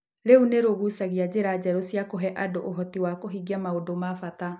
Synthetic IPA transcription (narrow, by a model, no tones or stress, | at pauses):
ɾeuneɾoɣusaɣiad͡ʑeɾad͡ʑɛɾosjakoɦɛʔadoʔoɦɔtiwakoɦiɡjamaodomafata